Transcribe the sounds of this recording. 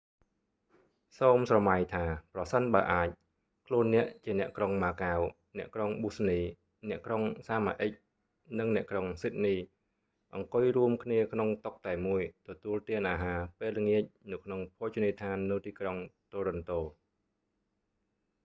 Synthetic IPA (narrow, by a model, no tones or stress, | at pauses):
soːmsrɑmajt̪ʰaːprɑsənɓaːəʔaːc̚ | kʰluənːɛ̆əʔt͡ɕiənɛ̆əʔkroŋmaːkaw | nɛ̆əʔkroŋɓusniː | nɛ̆əʔkroŋsaːma̰ːʔəc̚ | nɨŋnɛ̆əʔkroŋsit̪̚niː | ʔɑŋkʊjruəmkʰniəkʰnoŋt̪ok̚t̪aɛmuəjt̪ɔt̪uəlt̪iənʔaːɦaːpeːlŋiəc̚nɨwkʰnoŋpʰoːt͡ɕuniːt̪ʰaːnːɨwt̪iːkroŋt̪oːɾont̪oː